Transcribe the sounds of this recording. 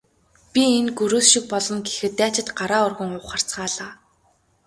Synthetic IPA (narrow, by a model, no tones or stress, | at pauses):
pʲienɡɵɾuːsʃik̚pɔɮɞ̆nɡexɘ̆t̪ːæːt͡ɕɪ̆t̪ɢaɾaːʊrɣɵ̆ŋʊχar̥t͡sɢaːɮaː